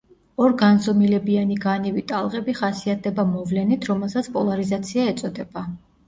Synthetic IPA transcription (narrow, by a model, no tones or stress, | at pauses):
ɔɾɡanzɔmilɛbianiɡanivit̪ʼalˠʁʼɛbiχasiat̪̚ʰd̪ɛbamɔvlɛnit̪ʰɾɔmɛlˠsat̪sʰpʼɔlˠaɾizat̪sʰiaɛt̪sʼɔd̪ɛba